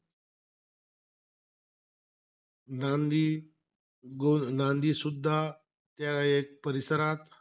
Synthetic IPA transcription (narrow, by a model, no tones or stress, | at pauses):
nand̪i | ɡonand̪iːsud̪ʱːa | t̪jaek̚pəɾisəɾat̪